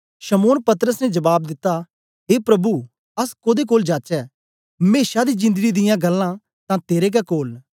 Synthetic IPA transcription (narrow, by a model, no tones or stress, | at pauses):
ʃəmoːnpɐt̪əɾəsnɛd͡ʒɐbaːb̚d̪ɪt̪ːa | ɦeːpɾɐbu | ɐskoːd̪ek̬oːld͡ʒaːt͡ʃɛː | meːʃad̪iːd͡ʒɪ̃nd̪əɡid̪ɪjãɡɐlːãː | t̪ãːt̪eːɾek̬ɛkoːl